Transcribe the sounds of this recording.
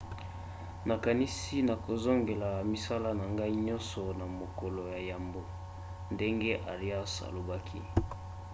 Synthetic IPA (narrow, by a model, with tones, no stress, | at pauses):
na˨ka˨ni˦si˦na˨ko˨zo˦ŋɡe˨la˨mi˦sa˦la˦na˨ŋɡa˦i˦ɲɔ̃˦nsɔ˨na˨mo˨ko˨lo˨ja˨ja˨mbo˨ | nde˦ŋɡe˦ʔa˨ʁi˦a˦sa̰˨lo˨ba˦kʰḭ˦